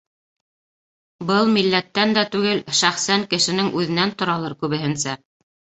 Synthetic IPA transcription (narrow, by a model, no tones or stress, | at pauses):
bɤlˠmilːæt̪ːænd̪æt̪ʉɡɘlʃæχsæŋkɘ̆ʃɘ̆nɘŋʉðɘ̆nænt̪ŏɾɑlˠɤɾkʉβɘ̆ɦɘ̆nsæ